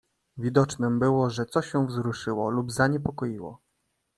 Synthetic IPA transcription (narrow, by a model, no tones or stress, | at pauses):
vʲid̪ɔt͡ʂnɘmbɘwɔʐɛt̪sɔɕɛ̃vzɾuʂɘwɔlubzaɲɛpɔkɔjiwɔ̰